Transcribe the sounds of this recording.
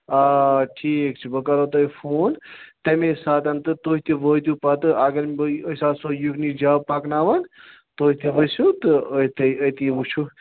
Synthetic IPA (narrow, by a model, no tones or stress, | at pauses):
aʈʰiːkt͡ʃʰibɐkaɾot̪oifʰoːnt̪emesaːt̪ɐnt̪ɨt̪oːɦit̪iʋəːt̪jupat̪ɨʔaɡɐɾməsaːsoːjuknid͡ʒaːpaknaːʋan | t̪oːɦit̪ʰiʋəsut̪ɨət̪iət̪iʋut͡ʃʰu